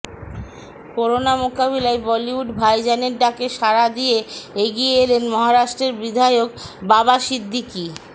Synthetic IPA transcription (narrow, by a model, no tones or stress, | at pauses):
koɾonamokaβilaebɔliuɖbʱajd͡ʑaneɾɖakeʃaɾad̪ijeeɡijeelenmɔɦaɾaʃʈɾeɾbid̪ʱajokbabaʃid̪ʱːiki